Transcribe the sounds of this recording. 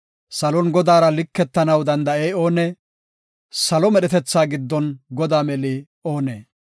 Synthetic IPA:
sɐlɔnɡɔd̪aːɾɐlɪkːɛt̪ːɐnɐwd̪ɐnd̪ɐejo̞ːnɛ | sɐlɔmɛɗɛt̪ɛt͡sːaːɡɪd̪ːɔnɡɔd̪aːmɛli | o̞ːneː

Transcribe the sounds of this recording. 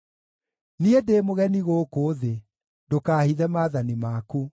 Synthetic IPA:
niedeːmoɣɛniɣokoːðe | dokaːhiðɛmaːðanimaːku

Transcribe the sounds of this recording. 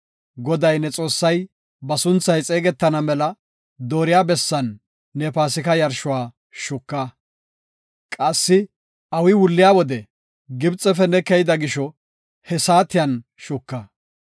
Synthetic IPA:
ɡɔd̪ɐjnɛt͡sʼo̞ːsːɐj | bɐsʊnt͡sːɐjt͡sʼe̞ːɡɛt̪ːɐnɐmɛlɐ | d̪oːɾɪjaːbɛsːɐnː | ɛːpaːsɪkɐjɐɾʃʊwaː | ʃʊkːɐ | kʼɐsːɪ | ɐwɪwʊlːɪjaːwɔd̪ɛ | ɡɪbt͡sʼːɛfɛnɛkɛjɪd̪ɐɡɪʃɔ | hɛsaːt̪ːɪjɐnʃʊkːɐ

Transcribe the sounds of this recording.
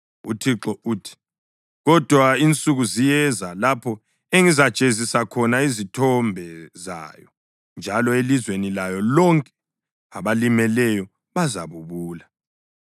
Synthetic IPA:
utʰiǁɔuːtʰi̥ | ɣɔd̥ʱwaint͡sʼuɣuzijɛzalapʰɔ | eŋizḁt͡ʃʼezisakʰɔnaizitʰɔmbʱɛza̰ːjɔ | nd͡ʒʱalɔelizwenilajɔlɔŋkʼɛ̥ | aβalimɛlɛjɔ | βaza̰βuβuːla

